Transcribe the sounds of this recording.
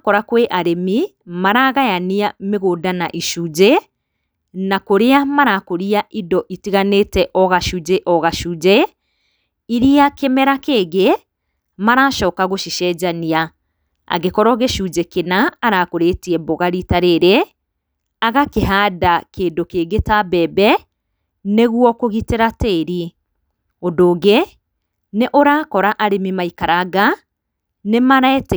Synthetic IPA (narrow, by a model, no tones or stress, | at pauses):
kɔɾakweʔaɾemi | maɾaɣajaniameɣoːdanaʔiʃud͡ʒe | nakoɾeamaɾakoɾiaʔidɔʔitiɣaneːtɛʔɔɣaʃud͡ʒeʔɔɣaʃud͡ʑɛ | iɾiakemɛɾakeːɣe | maɾaːʃɔːkaɣoʃiʃɛːd͡ʑania | a̰ɣekɔɾɔɣeʃud͡ʒekenaːɾakoɾetiɛboɣaɾitaɾeɾe | aɣakeɦaːdakeːndokeːɡetabɛːbɛ | neɣwɔkoɣiteɾateːɾi | odoːɣe | neʔoɾakɔɾaʔaɾemimaikaɾaɣa | nemaɾɛt